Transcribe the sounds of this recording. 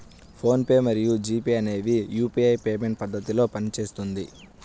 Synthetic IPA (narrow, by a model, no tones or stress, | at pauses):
pʰo̞ːnpe̞ːmɐɾijud͡ʒiːpiɐne̞ːʋijuːpiɐjpeːme̞ɳʈ̚pɐd̪ːɐt̪ilo̞ːpɐnit͡ʃe̞ːst̪und̪i